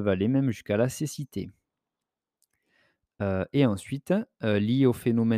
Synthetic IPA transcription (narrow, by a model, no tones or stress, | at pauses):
valemɛmʒyskalasesit̪ḛ | øeɑ̃sɥit̪ølieofenɔmɛ